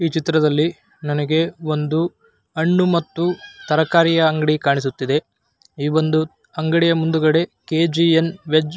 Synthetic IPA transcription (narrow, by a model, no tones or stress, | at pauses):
iːt͡ʃit̪ːɾɐd̪ɐlːi | nɐnɐɡe̞o̞nd̪u | ɐɳːumɐt̪ːut̪ɐɾɐkaːɾijɐɐŋɡɐɽikaːɳis̬ut̪ːid̪e̞ | iːʋo̞nd̪u | ɐŋɡɐɽijɐmund̪uɡɐɽe̞keːd͡ʒienʋed͡ʒ